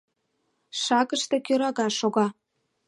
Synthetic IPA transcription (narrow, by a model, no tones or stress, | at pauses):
ʃɑɣəʃt̪e̽kʲøɾɑɣɑʃoɣɑ